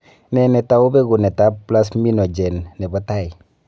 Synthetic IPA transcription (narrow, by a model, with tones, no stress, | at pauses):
nɛ˨nɛ˨ta˦u˦bɛ˦ɡu˨nɛ˨ta˦pla˦smi˦nɔ˨d͡ʒɛ˨nːɛ˨bɔ˦ta˦i˨